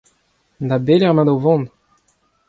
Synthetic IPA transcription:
nd̪abelɛʁmãd̪ovɔ̃n

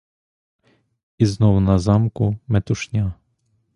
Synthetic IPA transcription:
iznɔwnazamkumɛt̪uʃɲʲa

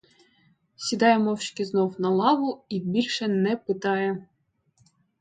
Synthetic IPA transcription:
sʲid̪ɑjɛmɔwt͡ʃkʲɪznɔwnɐlˠɑʋʊibʲilʲʃɛnɛpɪt̪ɑjɛ

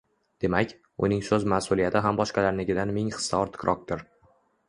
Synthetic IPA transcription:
d̪̥e̞makʲ | ʊ̰nɪŋsɵzmasʊlˠijat̪ʰɪɦambɒʃqɑlaɾnɪɡʲɪd̪anmɪŋχɨ̥sːaɒɾt̪ʰɪ̥kʲɾʔɒq̚t̪ʰɪɾ

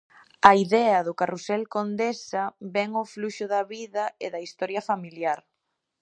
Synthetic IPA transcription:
ɐiðɛɐðʊkarusɛlkond̪esɐβɛŋofluʃʊðɐβiðɐeðɐist̪ɔɾjɐfamiljaɾ

